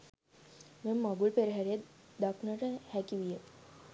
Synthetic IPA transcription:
memːaɡuɭpeɾɦaɾed̪aknəɾəhækiʋijə

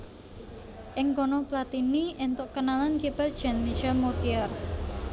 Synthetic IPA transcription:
ʔɪŋkɔnɔplat̪inient̪ʊʔkənalankipətd͡ʒ̥ɛnmit͡ʃɛlmot̪iər

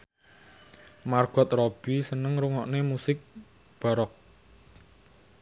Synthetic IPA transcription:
marɡ̥ɔ̤t̪̚rob̥isənəŋɾuŋɔʔnemusɪk̚ | b̥a̤ɾɔk̚

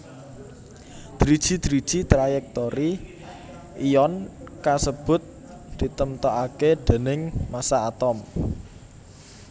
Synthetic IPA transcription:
d̪̥ɾid̥ʒ̥i̤d̪̥ɾid̥ʒ̥it̪ɾajɛk̚t̪oɾi | ijɔnkasəb̥ʊ̤t̪̚ | d̪̥i̤t̪əmt̪ɔʔaked̪̥e̤nɪŋmasaːt̪ɔm

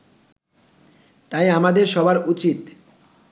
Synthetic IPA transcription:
t̪ajamad̪eɾʃɔbaɾut͡ɕit̪

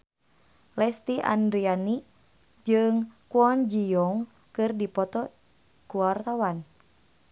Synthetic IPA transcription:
lɛst̪iʔa̰ndɾiani | d͡ʒɨŋkuɔnd͡ʒijɔŋ | kɨrdipɔt̪ɔ | kuwart̪awan

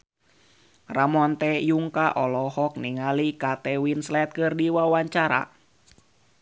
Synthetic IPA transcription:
ramɔnt̪ɛjuŋkaʔɔlɔhɔk̚niŋalikat̪ɛwinslɛt̪̚kɨrdiwawaɲt͡ʃaɾa̰

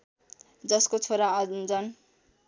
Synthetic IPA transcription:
d͡zʌskot͡sʰoɾaʌd͡zʌn

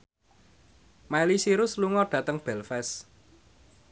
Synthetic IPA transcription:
mailisiɾʊsluŋɔɖ̥ä̤t̪əŋb̥ɛ̤lfɛs

